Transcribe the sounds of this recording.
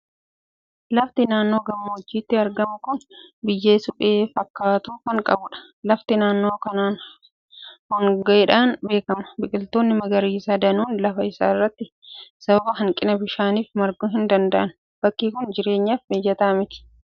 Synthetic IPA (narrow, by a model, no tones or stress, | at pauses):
lɐft̪ɪnaːnːo̞ːɡɐmːɐɔd͡ʒːiːt̪ːɪɐɾɡɐmʊkʊnbɪjːeːsʊbeːfɐkːaːt̪uːkɐŋkʼɐ̰bʊᶑɐ̥ | lɐft̪ɪnaːnːo̞ːkɐnaːn | hɔŋɡɐʔɛᶑaːnbe̞ːkɐmɐ̥bɪkʼɪlt̪o̞ːnːɪmɐɡɐɾiːsaːd̪ɐnuːnlɐfɐɪsa̰ːɪrːɐt̪ːɪ | sɐbɐbɐɦɐŋkʼɪnɐbɪʃaːniːfmɐɾɡuːɦɪnd̪ɐnd̪ɐʔɐn | b̥ɐkːiːkʊnd͡ʒɪɾe̞ːɲːaːfmeːd͡ʒɐt̪ɐɐmɪt̪ɪ̥